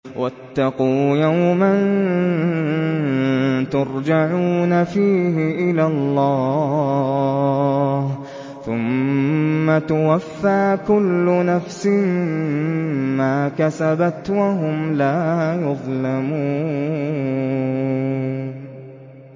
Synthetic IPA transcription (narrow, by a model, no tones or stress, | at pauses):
wʔat̪ːɑquːjawman | t̪ʊɾˤd͡ʒaʕuːnafiːɦɪʔɪlalːɑː | h | θʊmː | at̪ʊwafːaːkʊlːʊnafsɪmɪː | aːkasabat̪waɦʊmlaːjʊðˤlamuː